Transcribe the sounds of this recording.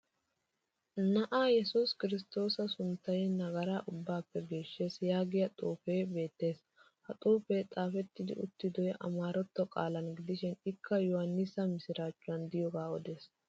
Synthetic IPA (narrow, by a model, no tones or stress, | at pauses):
nɐʔaːjɛsuskɪɾɪs̬t̪o̞ːsɐsʊnt̪ːɐjɛnɐɡɐɾaːʔʊbːaːpːɛɡe̞ːʃːe̞ːsjaːɡɪjɐt̪ʼuːfejbe̞ːt̪ːe̞ːs | hɐt̪ʼuːfeːt̪ʼaːfɛt̪ːɪd̪ɪ̰ʊ̰t̪ːɪd̪ɔjʔɐ̰maːɾɔt̪ːɔkʼa̰ːlɐnɡɪd̪ɪʃɪnɪkːɐjɔhɐnːɪsɐmɪsɪɾaːt͡ʃːʊɐnd̪ɪjɔɡaːɔd̪e̞ːs